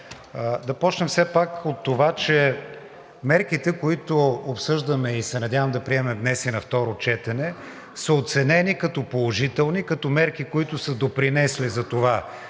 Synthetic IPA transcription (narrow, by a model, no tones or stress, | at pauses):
d̪ɐpɔt͡ʃnɛmfsɛpakot̪ːovat͡ʃɛ | mɛɾk̟it̪ɛkoit̪oopsɤʒd̪ɐmɛisɛnɐdʲjavɐmd̪ɐpɾiɛmɛmd̪nɛsinɐft̪ɔɾot͡ʃɛt̪ɛnɛ | səot̪sɛnɛnikɐt̪ɔpolˠoʒit̪ɛlˠnikɐt̪ɔmɛɾkikoit̪ʊsəd̪opɾinɛslizɐt̪ova